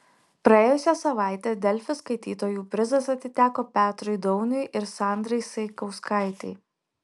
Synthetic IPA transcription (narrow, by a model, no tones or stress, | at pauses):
pɾɐeːjʊsʲɛsɐʋɑˑɪt̪ʲeːd̪ʲɛlʲfʲɪskɐɪt̪ʲḭːt̪oːjuːpʲɾʲɪzɐsɐt̪ʲɪt̪ʲæːkoːpʲæːt̪ɾʊɪd̪ɔʊnʲʊɪʔɪɾsɑˑnʲd̪ɾɐɪsɐɪkɐʊskɐˑɪt̪ʲɛɪ